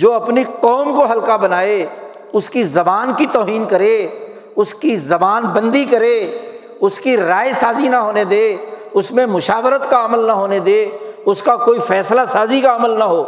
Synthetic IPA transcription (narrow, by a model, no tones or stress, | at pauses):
d͡ʒoːɐpniqɔːmkoɦɐlkabɐnaːe | ʊskizɐbaːnkit̪ɔːɦiːnkɐɾeː | ʊskizɐbaːnbɐ̃nd̪ikɐɾeː | ʊskiɾaːesaːzinaɦoːned̪eːʊsmẽmʊʃaːʋɾət̪kaɐməlnaɦoːned̪eːʊskakoːifɛːslasaːzikaɐməlnaɦoː